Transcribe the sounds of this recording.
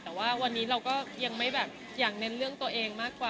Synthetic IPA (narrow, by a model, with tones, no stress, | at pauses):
t̪ɛː˨˩waː˥˩wa˧nːiː˦˥ɾa˧wkɔː˥˩ja˧ŋma˥˩jbɛː˨˩p̚ | jaː˨˩k̚ne˦˥nɾɯ˥˩əŋt̪u˧əʔeː˧ŋmaː˥˩kːwaː˨˩